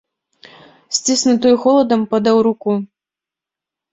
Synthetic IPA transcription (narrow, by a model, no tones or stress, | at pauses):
sʲt͡sʲisnɨt̪ɨjxɔlˠɐd̪ɐmpɐd̪ɐwɾuku